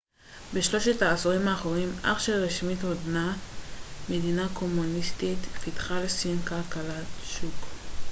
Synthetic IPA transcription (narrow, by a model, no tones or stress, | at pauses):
beʃlo̞ʃetaːsoʁimaːχoʁimʔa̰χʃeʁeʃmit̪hodna | medinako̞munistitfitχalsinkalkalatʃuk